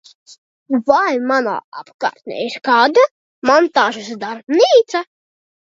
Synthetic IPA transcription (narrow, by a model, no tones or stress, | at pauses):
vajmana̰ːapkɑ̰ːɾt̪nʲɛ̰iɾkɑːd̪a | mɔnt̪ɑːʒusd̪aɾbniːt̪sa